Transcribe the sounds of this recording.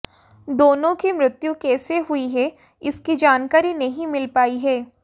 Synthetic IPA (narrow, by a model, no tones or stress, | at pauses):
d̪oːnõkimɾɪt̪jukɛːseɦʊiɦɛ | ɪskid͡ʒaːnkaːɾinɐɦĩmɪlpaːiɦɛː